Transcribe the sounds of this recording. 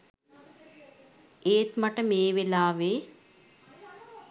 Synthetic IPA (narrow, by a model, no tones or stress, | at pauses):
eːt̪maʈəmeːʋelaːʋeː